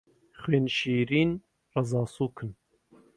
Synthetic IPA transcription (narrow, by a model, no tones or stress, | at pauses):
χweːnʃiːɾiːn | rɐzɑːsuːkʰɨn